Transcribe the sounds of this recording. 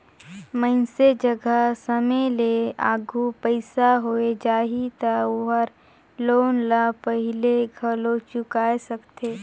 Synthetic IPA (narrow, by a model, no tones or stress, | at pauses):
mə̃nsed͡ʒəɡəsəmelea̰ːɡʱupəɪsaɦoed͡ʒaːɦit̪aʊɦəɾ | loːnlapəɦɪleɡʱəlot͡ʃʊkaːesɐkt̪ʰeː